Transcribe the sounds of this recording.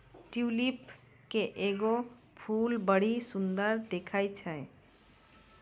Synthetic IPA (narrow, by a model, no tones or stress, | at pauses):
ʈjulip | keʔeɡo | pʰulbəɽ̤isund̪əɾd̪ekʰajt͡ʃʰə